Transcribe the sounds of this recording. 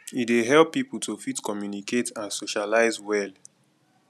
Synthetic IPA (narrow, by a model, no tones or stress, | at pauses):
ideɦɛlpːipl̩tʰofitkɔmjunikʰetãnsoʃalaɪzwɛl